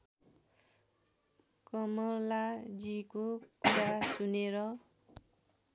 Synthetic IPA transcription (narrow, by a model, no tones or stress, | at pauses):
kʌmʌlad͡zikokuɾasuneɾʌ